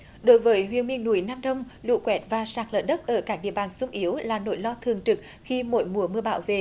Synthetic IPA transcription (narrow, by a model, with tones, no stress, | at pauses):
ɗo˨˦jvəː˨˦jɦwḭ˧˨ənmḭ˧ənːu˧˩əjnaː˧mɗə˧wŋ͡mlṵ˧˨kwɛ˨˥t̚vaː˨˩saː˨˩k̚lə̰˧˩ɗə˦˥t̚ʔəː˧˩kaː˦˥k̚ɗḭ˧˨əɓaː˨˩nsʊ˧ŋ͡mʔi˨˦əwlaː˨˩no̰˧˩jlɔ˧t̪ʰɨ˨˩əŋt͡ɕɨ˨˩k̚ | xi˧mo̰˧˥˦jmu˨˩əmɨ˧əɓaː˧˩˦wvḛ˨ʔ